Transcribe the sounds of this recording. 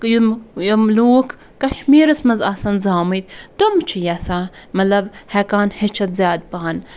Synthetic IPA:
jumjumluːkʰ | kɐʃmiːɾɐsmɐzaːsɐnzaːmɐt̪t̪umt͡ʃʰijɐsãːmɐt̪lɐbhɛkaːnhet͡ʃʰɐt̪zjaːd̪̚paːn

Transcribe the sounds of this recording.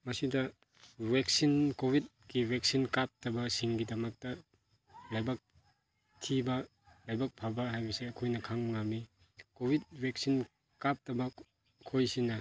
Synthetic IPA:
mɐsidɐ | wek̚sinkobʱit̚ɡiweksinkap̚tɐbɐsiŋɡidɐmɐk̚tɐ | lajbɐk̚ | tʰibɐ | lajbɐk̚pʰabɐɦajbisiɐkʰojnɐkʰaŋmŋami | kobʱit̚bek̚sin | kap̚tɐbɐ | kʰojsinɐ

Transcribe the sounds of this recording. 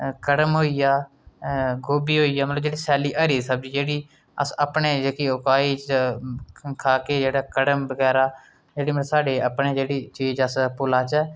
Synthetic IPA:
kəɽəmɦoːiːjaː | ɡoːbiːɦoːiːaːmət̪ləbd͡ʒeːɽiːsɛːliːʔəɾiːsəb̚d͡ʒiːd͡ʒeːɽiː | əsəpɳeːd͡ʒeːkiːʊkaːiːt͡ʃ | kʰaːkeːd͡ʒeːɽaːkəɽəmbəɡɛːɾaː | d͡ʒeːɽiːməsaːɖeːəpɳeːd͡ʒeːɽiːt͡ʃiːd͡ʒəspʊlaːt͡ʃɛ

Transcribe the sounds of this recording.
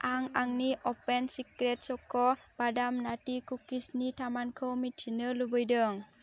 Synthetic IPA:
ʔaŋaŋniʔɔpensikɾet̚sɔkɔb̥adamnatikukisnitʰamankʰɯwmitʰinɯlubɯjdɯŋ

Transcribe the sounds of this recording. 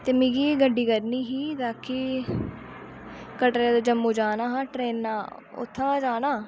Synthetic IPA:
t̪eːmĩːɡiːɡəɖːiːkəɾniːɦiːd̪aːkʰːiː | kəʈɾaːd̪aːd͡ʒəmːũːd͡ʒaːnãːɦãːʈɾeːnːaː | ʊ̰t̪ʰːãːd͡ʒaːnaː

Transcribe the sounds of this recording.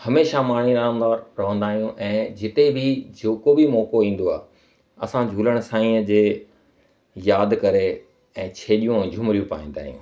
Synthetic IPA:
hɐmeːʃamaːɳ̤iɾaːmd̪aːɾːɐɦə̃nd̪aːɦijũʔɛ̃ːd͡ʑɪt̪ebʱɪd͡ʑoːkobʱimɔːkoĩːn̆d̪oaːɦ | ɐ̰sãd͡ʑʱuːləɽ̃ʊsãːĩːəd͡ʑeː | jaːd̪kɐɾe | ɛ̃ːt͡ɕʰeːɗijũɛ̃ːd͡ʑʱʊmɾijũpa̰ːĩːnd̪a̰ːɦijṵ̃ː

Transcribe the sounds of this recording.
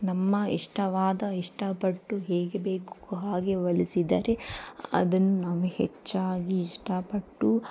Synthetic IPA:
nɐmːɐiʂʈɐʋaːd̪ɐiʂʈɐpɐʈːuɦeːɡebeːku̥kuɦaːɡe̞ʋɐlisid̪ɐɾe̞ɐ̰d̪ɐnːunaːʋuhɛ̰t͡ʃːaːɡiːʂʈɐpɐʈːu

